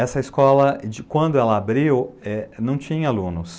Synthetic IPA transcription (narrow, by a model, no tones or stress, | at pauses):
ɛsɐɪskɔlɐd͡ʒɪkwɐ̃nd̪ʊɛlɐabɾiwɛnɐ̃w̃t͡ʃĩɲɐalũnʊs